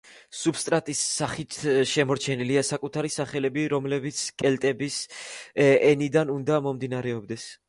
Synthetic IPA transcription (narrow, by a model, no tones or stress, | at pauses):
subst̪ʼɾat̪ʼisːaχit̪ʰʃɛmɔɾt͡ʃʰɛniliasakʼut̪ʰaɾisaχɛlɛbiɾɔmlɛbit̪sʰkʼɛlt̪ʼɛbis | ɛnid̪anund̪amɔmd̪inaɾɛɔbd̪ɛs